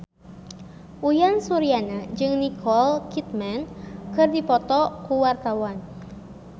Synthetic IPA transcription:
ʔujansuɾianad͡ʒɨŋnikʰɔlkit̪̚mankɨrdipɔt̪ɔkuwart̪awan

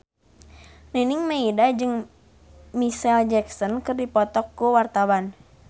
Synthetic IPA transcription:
neniŋmaidad͡ʒɨŋ | misɛld͡ʒɛksɔnkɨrdipɔt̪ɔkːuwart̪awan

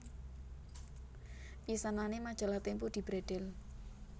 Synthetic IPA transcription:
pisananemad̥ʒ̥a̤lat̪empud̪̥i̤b̥ɾeɖ̪̥ɛl

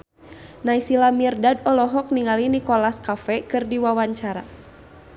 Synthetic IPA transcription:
naisilamirdadɔlɔɦɔk̚niŋalinikɔlaskafɛkɨrdiwawaɲt͡ʃaɾa̰

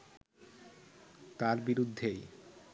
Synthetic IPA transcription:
t̪aɾbiɾud̪ʱːej

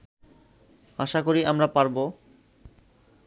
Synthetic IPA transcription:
aʃakoɾiʔamɾapaɾbo

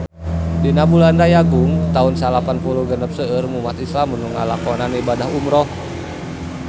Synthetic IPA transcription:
dinabulandajaɡuŋt̪aunsalapanpuluhɡənəp̚səərmumat̪islamunuŋalakɔnanibadaɦumɾɔh

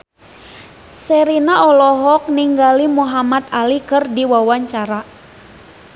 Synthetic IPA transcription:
sɛɾinaɔlɔɦɔk̚niŋɡalimuɦamat̪alikɨrdiwawaɲt͡ʃaɾa

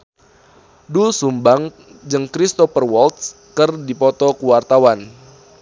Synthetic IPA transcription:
dulsumbaŋ | d͡ʒɨŋkɾist̪ɔpərwɔlt̪̚s | kɨrdipɔt̪ɔkuwart̪awan

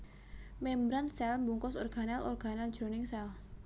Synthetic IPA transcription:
mɛmbɾansɛlmbuŋkɔsɔrɡ̥a̤nalɔ̰rɡ̥a̤nald̥d͡ʒ̥ɾonɪŋsɛl

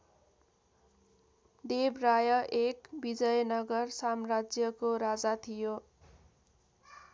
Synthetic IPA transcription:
d̪ebrajʌʔekbid͡zʌjnʌɡʌrsamrad͡zjʌkoɾad͡zat̪ʰijo

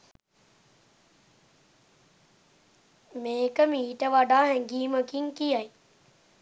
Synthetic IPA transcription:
meːkəmĩɦiʈəʋaɖaːɦɛ̃ɡiːməkiŋkijaj

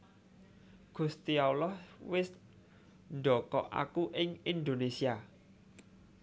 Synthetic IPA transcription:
ɡ̥ṳst̪iawlɔhwɪs | nɖɔkɔʔa̰kuʔɪŋind̪onesia

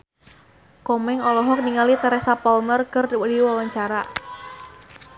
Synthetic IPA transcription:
kɔmɛŋɔlɔɦɔk̚niŋalit̪ɛɾɛsapɔlmərkərdiwawaɲt͡ʃaɾa

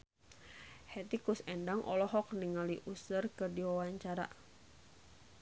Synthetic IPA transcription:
hɛt̪ikusɛndaŋʔɔ̰lɔɦɔk̚niŋaliʔusərkədiwawaɲt͡ʃaɾa̰

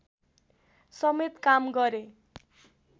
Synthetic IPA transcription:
sʌmet̪kamɡʌɾe

